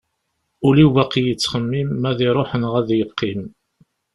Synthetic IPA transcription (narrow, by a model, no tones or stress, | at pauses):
ʊlivæqijət͡sːχəmːimːæðiɾˤoħənʁæðjəqːim